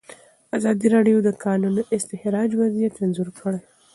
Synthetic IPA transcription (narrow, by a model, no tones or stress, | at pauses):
azɑd̪iɾɑɖijod̪əkʰɑnunʔɪst̪ɪhɾɑd͡ʒwazijat̪anzʊɾkʰəɽaj